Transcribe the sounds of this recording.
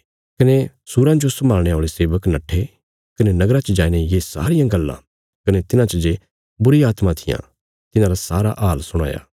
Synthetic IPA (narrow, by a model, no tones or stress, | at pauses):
kɐne | suɾãd͡ʒosɐmaːlɽ̃eaːɭeseːʋəknɐʈʰːe | kɐnenɐɡɾãt͡ʃəd͡ʒaːinejesa̰ːɾɪjãɡɐlːã̰ | kɐnet̪ɪnãt͡ʃəd͡ʒe | bʊɾiaːt̪mãt̪ʰɪjã̰ | t̪ɪnãːɾasaːɾa̰ʔalsʊɽ̃a̰ːja̰ː